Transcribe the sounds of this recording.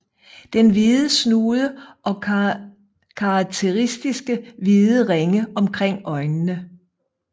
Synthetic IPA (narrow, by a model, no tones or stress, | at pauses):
d̥enʋiðˠəsnuːðˠəʔɒ̽ | kʰɑ̈ɡ̥̚t͡sʰe̝ʁisd̥isɡ̥əʋiðˠəʁeŋəɒ̽mkʰʁeŋ̰ɒ̽ɪnnə